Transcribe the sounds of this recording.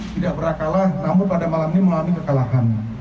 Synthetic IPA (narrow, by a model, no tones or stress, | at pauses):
t̪idak̚bəɾakalahnamʊnpadamalamniməlamikəkalaɦan